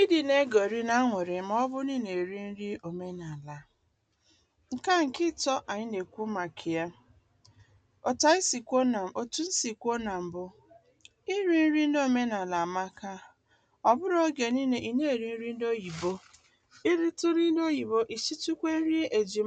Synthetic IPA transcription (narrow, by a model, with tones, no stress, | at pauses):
i˦di˨ne˦ɡo˨ɾi˦na˦ŋʷʊ˨ɾɪ˨m˦ɔ˦bʊ˦ni˦ne˨ɾi˦n̩˦ɾi˦o˨me˦na˨la˨ | ŋ̩˨ka˦ŋ̩˨kɪ˦tɔ˦ʔa˨ɲɪ˦ne˨kʷu˦ma˨kʰɪ˨ja˦ | o˨ta˦i˦si˨kʷo˦na˨o˨tu˦n̩˦si˨kʷo˦na˨m̩˨bʊ˦ | i˦ɾi˦n̩˦ɾi˦n̩˦do˦˨me˦na˨la˨ma˦ka˦ | ɔ˨bʊ˦ɾo˦ɡe˨ni˦ne˨ʔi˨ne˦e˨ɾi˦n̩˦ɾi˦n̩˦do˦ji˨bo˦ | i˦ɾi˦tʊ˦ɾi˦do˦ji˨bo˦ʔi˨si˦tu˦kʷe˦n̩˦ɾi˦e˨d͡ʒi˨